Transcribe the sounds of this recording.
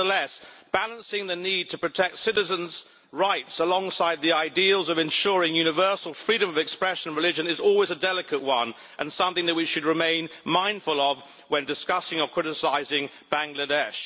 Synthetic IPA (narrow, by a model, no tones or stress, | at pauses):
ðəlɛsb̥ælˠə̃nsɪ̃ŋðɨnid̚tʰɨpɹ̥ɨtʰɛk̚tsɪɾɨzə̃nz | ɹaɪtsəlɔ̃ŋsaɪd̪̚ðiaɪdil̩ˠzʌvɨ̃nʃʊɹɪ̃ŋjʉñɨvɜ˞sl̩ˠfɹiɾɨ̃mʌvɨkspɹɛʃɨ̃ñnɹɨlɪd͡ʒɨ̃nɨzɔlˠwizɨdɛlˠɨkəʔwʌ̃n | ʔɨ̃nsʌ̃mθɪ̃ŋðɨʔ̚wɨt͡ʃʃɨd̚ɹɨmẽɪ̃nmãɪ̃nd̥fəlˠʌv | wɨ̃ndɨskʌsɪ̃ŋə˞kʰɹ̥ɪɾɨsaɪzɪ̃ŋ | b̥æ̃ŋɡlɨdɛʃ